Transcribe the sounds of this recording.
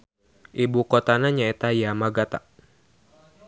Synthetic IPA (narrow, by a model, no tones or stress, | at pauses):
ʔibukɔt̪anaɲaɛt̪ajamaɡat̪a